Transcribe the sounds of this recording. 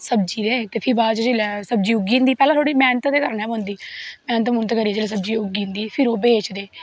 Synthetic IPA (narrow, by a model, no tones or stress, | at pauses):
səb̚d͡ʒiːd̪eːt̪eːpʰɪɾbaːt͡ʃd͡ʒeːlɛːsəb̚d͡ʒiːʊɡiːnd̪iːpɛːlãːt̪ʰoːɽiːmɛːnət̪d̪eːkəɾnɛːbõnd̪iːmɛ̃ːnət̪mʊnt̪ːkəɾiːɛːd͡ʒeːleːsəbd͡ʒiːʊɡiːnd̪iːpʰɪɾoːbeːt͡ʃd̪eː